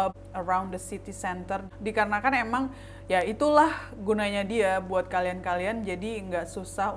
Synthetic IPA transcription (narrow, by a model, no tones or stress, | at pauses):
əɾawndəsit̪isɛnt̪ər | dikaɾənakanemaŋ | jait̪ulahɡunaɲadiabuat̪̚kaliankaliand͡ʒadiŋɡaʔsusah